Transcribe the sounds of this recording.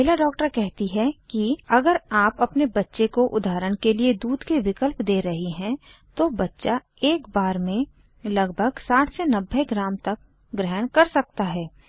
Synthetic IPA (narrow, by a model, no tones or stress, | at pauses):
elaɖɔːk̚ʈəɾkɛɦt̪iɦɛkiɐɡəɾaːpɐpnebɐtːʃekoʔʊd̪ʱaːɾəɽ̃kelied̪uːd̪keʋɪkəlpd̪eːɾɐɦiɦɛ̃ | t̪obɐtːʃa | eːkbaːɾmẽ | lɐɡbʱəɡsaːʈʰsɛnɐbʱːeɡɾaːmt̪ɐk | ɡɾɛɦɽ̃kɐɾsɐk̚t̪aɦɛː